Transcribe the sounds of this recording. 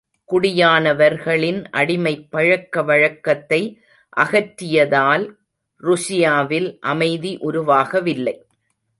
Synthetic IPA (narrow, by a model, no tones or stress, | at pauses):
kʊɽɪjaːnɐʋɐɾɣɐɭɪnʔɐ̰ɽɪmɐɪpːɐɻɐkːɐʋɐɻɐkːɐt̪ːɐɪ | ʔɐɣɐʈːɪjɐðaːl | ɾʊsɪjaːʋɪlʔɐmɐɪðiʔʊɾʊʋaːɣɐʋɪlːɐɪ